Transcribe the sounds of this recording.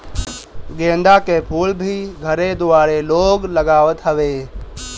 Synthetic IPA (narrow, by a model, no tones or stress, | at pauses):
ɡẽːnd̪akepʰuːlbʱiɡʱəɾed̪uaːɾeloːɡləɡaːʋət̪ɦəʋe